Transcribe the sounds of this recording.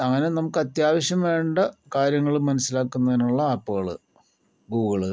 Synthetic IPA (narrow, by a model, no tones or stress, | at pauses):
ɐŋːɐne̞nɐmukːɐt̪jaːʋɐɕjɐmʋe̞ːɳɖɐkaːɾjɐŋːɐɭumːɐnɐsːilaːkːunːɐðinuɭːɐaːpːuɣɐɭɨ̰ | ɡuːɣɐɭɨ